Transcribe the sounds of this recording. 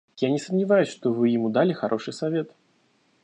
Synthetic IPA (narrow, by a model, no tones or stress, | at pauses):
janʲɪsəmnʲivajusʲʂt̪ɔvɨjimud̪alʲixaɾʔɔʂɨjsavʲɛt̪